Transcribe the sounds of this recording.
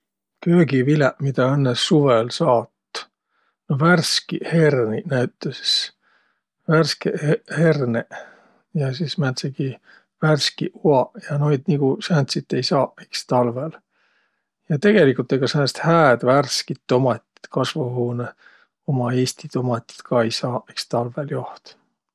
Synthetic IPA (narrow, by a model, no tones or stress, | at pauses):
køːɡivilɛʔmid̪̥ɑenːesːuvelsɑːt̪ː | noværskiherninæyt̪ˑːesi̥s | værskehhe̞rne | jɑsismænt̪seɡ̥i | værskḭʔuɑjɑno̞jd̪̥niɡ̥usænt̪sit̪ːe̞jsɑːekst̪ɑlvel | jɑt̪e̞ɡ̥e̞likːˑult̪ːˑeɡɑsenst̪hæːd̪̥værskit̪ːo̞mɑt̪ʲːi̥t̪kɑsvuhuːne | o̞mɑe̞ːst̪it̪o̞mɑt̪ʲːˑi̥t̪kʰɑejsɑːekst̪ɑlveljo̞ht̪